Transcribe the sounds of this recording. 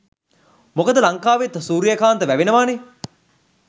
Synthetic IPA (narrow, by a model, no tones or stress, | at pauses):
mokəd̪əlaŋkaːʋet̪suːɾijəkaːnt̪əʋæʋenəʋaːne